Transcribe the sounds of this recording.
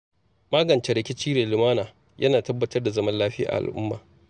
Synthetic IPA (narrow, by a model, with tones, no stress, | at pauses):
maː˦ɡɐ˨nt͡ʃɛ˦ɾɪ˨kʲɪ˦t͡ʃiː˦ɽeː˨lɪ˨maː˦naː˨ | jʔɐ̰˦naː˨tɐ˦bːɐ˦tɐ˦rda˨zɐ˦mɐ˦nlaː˦ɸɪ˦ja̰ː˨ʔa̰˨lʔʊ̰˦mːa̰ː˨